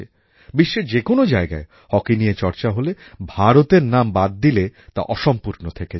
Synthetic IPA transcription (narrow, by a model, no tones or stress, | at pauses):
e | biʃːed͡ʑekonod͡ʑaeɡa̰e | hɔkinijet͡ɕɔɾt͡ɕaɦolebʱaɾot̪eɾnambad̪̚ːilet̪a̰ʔɔʃɔmpuɾnot̪ʰeke